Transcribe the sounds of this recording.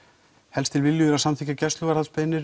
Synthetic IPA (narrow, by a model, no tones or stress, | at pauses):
hɛlst̪ʰɪlvɪlːjʏðʏɾaðsamtθʰiːcacɛst̪lʏvaɾhaspejnɪɾ